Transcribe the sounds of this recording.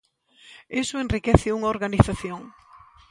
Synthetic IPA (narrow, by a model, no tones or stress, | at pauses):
esʊenrikɛθɪuŋaoɾɣaniθaθjoŋ